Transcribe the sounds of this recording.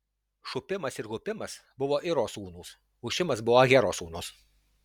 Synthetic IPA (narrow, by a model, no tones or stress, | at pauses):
ʃʊpʲɪmɐsɪɾɣʊpʲɪmɐsbʊʋoːʔɪɾoːsuːnuːs | ʊʃʲɪmɐsbʊʋoɡʲæɾoːsuːnoːs